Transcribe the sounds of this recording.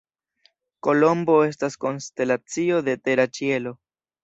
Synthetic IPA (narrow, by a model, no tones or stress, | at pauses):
ko̞lo̞mbo̞e̞s̬tasko̞nste̞lat͡sio̞d̪e̞te̞ɾat͡ʃie̞lo̞